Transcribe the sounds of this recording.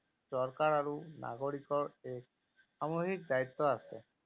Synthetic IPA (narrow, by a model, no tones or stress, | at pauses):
sɔɹkaɹaɹuna̰ɡoɹikɔɹɛk̚ | xamoɦik̚dait̪ːɔasɛ